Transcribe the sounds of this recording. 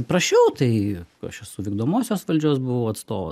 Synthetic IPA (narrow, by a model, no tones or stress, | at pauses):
pɾɐʃʲɛʊt̪ɐɪɐ̰ʃɛsʊʋʲiːɡd̪oːmoːsʲoːsʋɐlʲd͡ʒʲuːsbʊʋɐʊɐt̪st̪oːʋo̰